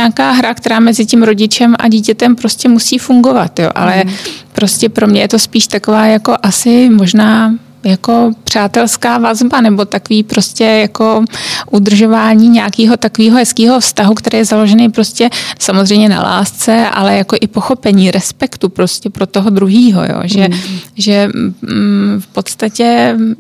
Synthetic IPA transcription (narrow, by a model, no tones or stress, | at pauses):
aːkaːɦɾakt̪ɛɾaːmɛzɪcɪmɾo̞ɟɪt͡ʃɛmʔa̰ɟiːcɛt̪ɛmpɾo̞scɛmusiːfuŋɡo̞vat̪jo̰ːʔa̰lɛpɾo̞scɛpɾo̞mɲɛjɛt̪o̞spiːʃt̪akovaːjako̞ʔasɪmo̞ʒnaː | jako̞pr̝̥aːt̪ɛlskaːvazbanɛbo̞t̪akoviːpɾo̞scɛjako̞ʔud̪r̩ʒo̞vaːɲiːɲɛakiːɦo̞t̪akoviːɦoɦɛskiːɦo̞fst̪aɦukt̪ɛɾeːjɛzalo̞ʒɛnejpɾo̞scɛsamozr̝ɛjmɲɛna̰la̰ːst͡sɛʔa̰lɛjako̞ʔɪpo̞xopɛɲiːɾʔɛspɛkt̪upɾo̞scɛpɾot̪oɦod̪ɾuɦiːɦo̞̰jo̰ːʒɛʒɛ | fpo̞t̪st̪acɛ